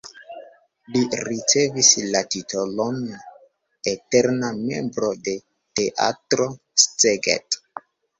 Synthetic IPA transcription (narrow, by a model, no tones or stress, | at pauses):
liɾit͡se̞vislatitolon | eteɾname̞̰mbɾo̞de̞ | te̞ʔa̰tɾo̞ | st͡seɡḛt